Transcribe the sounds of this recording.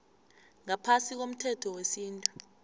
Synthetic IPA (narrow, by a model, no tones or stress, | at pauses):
ŋapʰasik̬om̩tʰɛtʰɔwesiːntʼu